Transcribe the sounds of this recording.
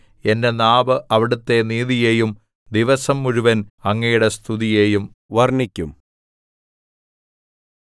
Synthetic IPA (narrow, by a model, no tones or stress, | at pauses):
e̞nde̞naːbɨʔɐʋiɽut̪ːe̞niːðije̞ːjum | d̪iʋɐsɐmːuɻuʋɐnɐŋːɐjuɽe̞st̪ʰuðije̞ːjum | ʋɐrnikʲːum